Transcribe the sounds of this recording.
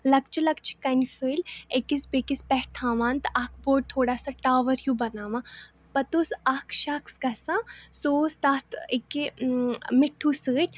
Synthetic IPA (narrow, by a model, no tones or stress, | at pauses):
lɐk̚t͡ʃʰilɐk̚t͡ʃʰi̥kɐnʲfɨːlʲekisbekispɛɦʈt̪ʰãːʋaːnt̪ɐk̚ʰboːʈ̚t̪ʰoːɽaːsaːʈaːʋɐɾjuːbɐnaːʋãː | pɐt̪uːsɐkʰʃɐksɡɐsãːsoːst̪aːt̪ʰeki | mɪʈʰːuːsɨːt̪ʲʰ